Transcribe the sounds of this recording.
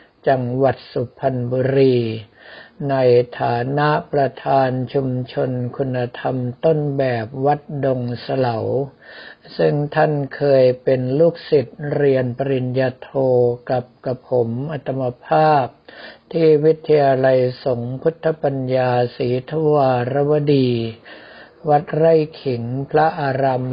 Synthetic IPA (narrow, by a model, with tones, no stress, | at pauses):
t͡ɕa˧ŋwa˨˩t̪̚su˨˩pʰːa˧nbuː˧ɾiː˧ | na˧jt̪ʰaː˩˦na˦˥ʔpɾa˧t̪ʰaː˧nt͡ɕʰu˧mt͡ɕʰo˧nkʰu˧nːa˧t̪ʰa˧mt̪o˥˩nbɛː˨˩p̚wa˦˥t̪̚do˧ŋsa˧la˩˦w | sɯ˥˩ŋt̪ʰa˥˩nkʰɤː˧jpe˧nluː˥˩k̚si˨˩t̪̚ɾi˧ənpa˧ɾi˧njaː˧t̪ʰoː˧ka˨˩p̚ka˧pʰo˩˦mʔa˧t̪ʰa˧mːa˧pʰaː˥˩p̚t̪ʰiː˥˩wi˦˥t̪ʰːa˧jaː˧la˧jso˩˦ŋpʰu˦˥t̪ʰːa˧˦pa˧njaː˧siː˩˦t̪ʰu˧˥waː˧ɾa˦˥wa˧˥diː˧ | wa˦˥t̪̚ɾa˥˩jkʰi˩˦ŋpʰɾa˦˥ʔaː˧ɾa˧m